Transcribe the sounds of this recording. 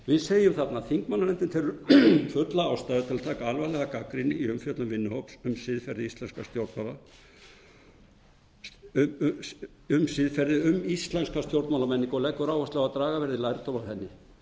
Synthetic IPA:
vɪðseːjʏmθat̪naθiŋkmanːamɛnt̪ɪnθʰɛɾʏɾfʏt̪laawst̪aːðɪt̪ʰɪlat̪ʰaːkaalvalɛɣakakɾinɪiʏmfjœt̪lʏmvɪnːʏhowpsʏmsɪðfɛɾðɪist̪ɛnskast̪jowɾt̪mawla | ʏmsɪðfɛɾðɪʏmist̪lɛnskast̪jowɾt̪mawlamɛnːiŋkɔlɛkːʏɾaːwast̪laɣat̪ɾaːɣavɛɾðɪlaːjɾɪt̪ʰomaθɛnːɪ

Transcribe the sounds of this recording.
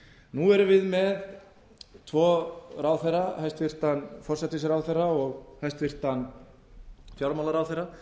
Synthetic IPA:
nuɛɾʏvɪðmɛð | t̪ʰvɔːraːwθɛjrahajst̪fir̥t̪anfɔr̥sɛt̪ɪsɾawθejrːaɔɣhajst̪fir̥t̪an | fjawɾmalaɾawθejɾa

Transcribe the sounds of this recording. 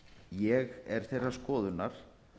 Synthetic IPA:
jɛɣɛɾ̥θɛjrːaskɔːðʏnaɾ̥

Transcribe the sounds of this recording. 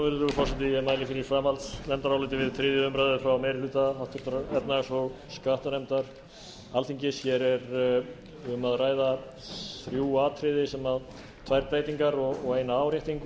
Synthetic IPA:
vɛɾðɾʏvʏfɔsɪnt̪ɪɛmaːjlɪfɪɾɪɾ̥fɾaːmalt̪nɛmt̪aɾawlɪːt̪̬ɪvɪðθɾɪːðjʏʏmpɾajðʏfɾawmɛːɾɪlʏːt̪aawt̪ʏt̪ɾɛt̪nasɔɣ | skaht̪anɛmt̪aɾ̥ | alθiɲcɪsjɛɾɛɾ | ʏmaðraːjða | θɾjuaːt̪ʰɾɪðɪsɛmað | t̪ʰvajɾp̪ɾajt̪iŋkaɾɔɣɔɣeːjnaaːwɾjaht̪iŋk

